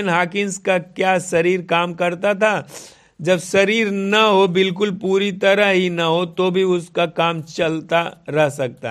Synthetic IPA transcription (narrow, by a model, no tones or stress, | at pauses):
nɦaːkɪnskakjaːsɐɾiːɾkaːmkɐɾt̪at̪ʰa | d͡ʒɐbsɐɾiːɾnɐɦobɪlk̬ʊlpuːɾit̪ɐɾəɦɦinɐɦot̪obʱiʊskakaːmt͡ʃɐlt̪aɾɛɦsɐk̚t̪a̰